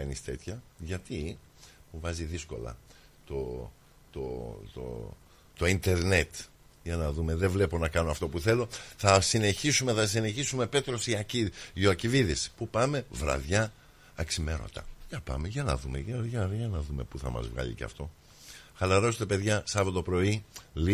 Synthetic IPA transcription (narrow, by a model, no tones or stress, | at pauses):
ɐnist̪e̞t̪çɐʝɐt̪i | muvɐziðisko̞̰lɐ̰ | t̪o̞ | t̪o̰t̪o̰ | t̪o̞int̪e̞ɾne̞t̪ | jɐnɐðume̞ðevle̞po̞nɐkɐno̞ɐft̪o̞puθe̞lo̞θɐsine̞çisume̞θɐs̬ine̞çisume̞pe̞t̪ɾo̞siɐciioɐciviðispupɐme̞vɾɐ̰ðʝɐː | ksime̞ɾo̞̰t̪ɐ̰ʝɐpɐ̰meʝɐnɐ̰ðumḛʝɐʝɐʝɐnɐðume̞puθɐ̰mɐ̰zvɣɐ̰ʎḭcḛft̪o̞ | xɐlɐɾo̞st̪e̞pe̞ðʝɐsɐvɐt̪o̞pɾo̞ili